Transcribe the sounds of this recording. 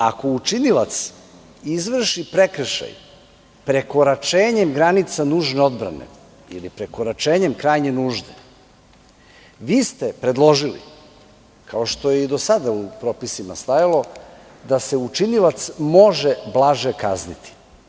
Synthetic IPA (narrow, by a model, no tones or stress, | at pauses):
ako̞ut͡ʃinilat̪s | izʋr̩ʃipɾe̞kɾ̩ʃa̰j | pɾe̞ko̞ɾat͡ʃe̞ːɲe̞mɡɾanit̪sanuːʒne̞o̞d̪bɾa̰nḛ | ḭlipɾeko̞ɾat͡ʃe̞ːɲemkɾaːjɲenuːʒd̪ḛ | ʋiːst̪epɾe̞d̪lˠo̞ʒilḭ | kʰao̞ʃt̪o̞jeid̪o̞sad̪aupɾoːpisimast̪ajalo̞ | d̪ase̞ut͡ʃinilat̪smo̞ʒeblˠaʒeka̰znit̪ʰi̥